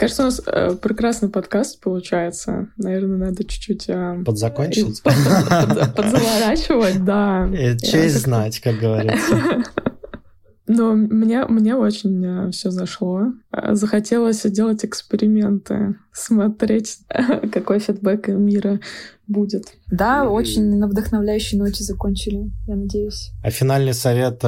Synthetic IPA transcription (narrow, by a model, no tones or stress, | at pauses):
kaʐɨt̪səʊnasə̰pɾʲɪkɾasnɨjpɐt̪kast̪̚pəlˠʊt͡ɕæjɪt̪sə̰nɐvʲe̞rnənad̪ət͡ɕʊ̥t͡ɕːutʲəpəd̪zɐkonʲt͡ʃɪtʲəpəd̪zəvɐɾat͡ɕɪvət̚ʲd̪ait͡ɕeznatʲkak̚ɡəvɐɾʲi | nomnʲemnʲeo̞t͡ɕɪnʲəfsʲɵzɐʂlˠo̞̰zəxɐtʲe̞lˠəsʲzdʲe̞lˠətʲɪkspʲɪɾʲɪmʲe̞nt̪ɨ̰smɐt̪ɾʲetʲkɐko̞jfʲɪd̪̚bɛkmʲiɾəbudʲɪt̪d̪ao̞t͡ɕɪnʲnəvd̪əxnɐvlʲæjʉɕːɪjno̞tʲɪzɐkonʲt͡ɕɪlʲɪjanɐdʲejʉsʲɐ̰fʲɪnalʲnɨjsɐvʲe̞t̪